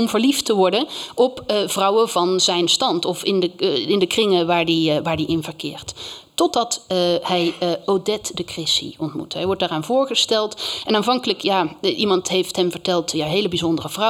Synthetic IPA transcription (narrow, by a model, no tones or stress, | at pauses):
ɔmvəɹliftəʋɔɹdənʔɔpv̥rʌwəvɑnzɛjnstɑntɔfɪndəɪndəkrɪŋəʋaːɹdiʋaːɹdiʔɪnvəɹkɪ̰ːɹtː | ɔdɑthɛjowdɛtdəkrɪsḭɔntmṵtɦɛjʋɔɹdaːraːnvʊːɹχəstɛlˠtɛnaːnvɑŋkələkjaːʔimɑntɦejftɦɛmvəɹtɛlˠtjaːɦejləbizɔndərəvrɑ